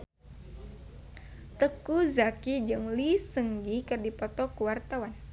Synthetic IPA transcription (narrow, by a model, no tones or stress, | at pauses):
t̪əkuzakid͡ʒɨŋlisəŋɡikɨrdipɔt̪ɔkuwart̪awan